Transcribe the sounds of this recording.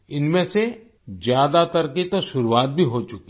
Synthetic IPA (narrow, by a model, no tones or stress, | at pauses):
ɪnmẽse | d͡ʒjaːd̪at̪ɐɾkit̪oʃʊɾuwaːt̪̚bʱiɦot͡ʃʊki